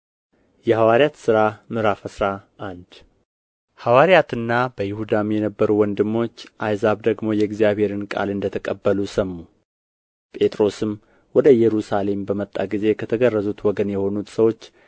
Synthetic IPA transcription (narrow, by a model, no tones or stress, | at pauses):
jɛhawaɾjat̪sɨɾamɨɾafəsɾaʔand̪ | hawaɾjat̪ɨnːabəjɪhud̪amjɛnəbːəɾuwɔnd̪ɨmːo̞t͡ʃːʔajzaβd̪əɡmo̞jɛɪɡzjaβhe̞ɾɨnkʼa̰lɨnd̪ət̪ʰəkʼəbːəlusəmːu | pʼe̞t̪ʼɾo̞sɨm | wɔd̪əjɛɾusale̞mbəmət̪ʼːa̰ɡize̞kʰət̪ʰəɡərːəzut̪wɔɡənjɛho̞nut̪səwo̞t͡ʃː